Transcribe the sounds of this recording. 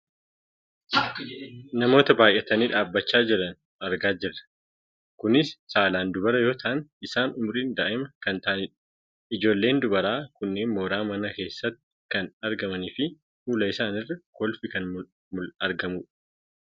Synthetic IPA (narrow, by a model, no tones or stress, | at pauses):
nɐmo̞ːt̪ɐbaːjʔɛt̪ɐniːᶑaːbːɐt͡ʃːaːd͡ʒɪɾɐn | ɐɾɡaːd͡ʒɪrːɐ̥ | kʊnɪsːaːlaːnd̪ʊbɐɾɐjo̞ːt̪ʰɐʔɐnɪsaːnʊmɾiːnd̪aːʔɪmɐkɐnt̪ɐʔnɪᶑɐ̥ | ɪd͡ʒo̞ːlːe̞ːnd̪ʊbɐɾaːkʊnːe̞ːnmoːɾaːmɐnɐke̞ːsːɐt̪ːɪ̥kɐnɐɾɡɐmɐniːfɪ | fuːlɐɪsaːnɪrːɐkɔlfɪkɐn | mʊlɐɾɡɐmuːᶑ